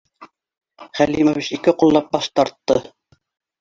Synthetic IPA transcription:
χælimoβit͡ʃikɘqulˠːɑp̚bɑʃt̪ɑɾt̪ːɤ

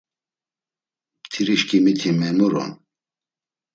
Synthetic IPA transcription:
t̪ʰiɾiʃkimit̪ʰimɛnuɾɔ̰n

